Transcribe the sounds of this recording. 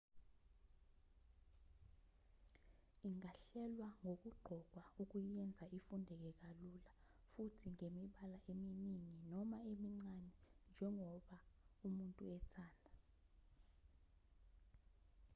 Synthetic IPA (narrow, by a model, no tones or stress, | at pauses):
iŋaɬɛlwaŋok̬uɡ͡ǃʱɔk̬wauk̬ujɛnd͡zʱaifundʱɛk̬ɛk̬alula | futʰiŋemiɓalaʔeminiŋinɔmaemiŋ͡ǀanɛnd͡ʒʱɛŋɔɓaumuntʼuɛtʰaːndʱa